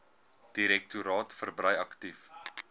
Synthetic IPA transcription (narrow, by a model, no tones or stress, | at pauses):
d̥iɾɛk̚tuɾɑːtfərbrɐjɐktif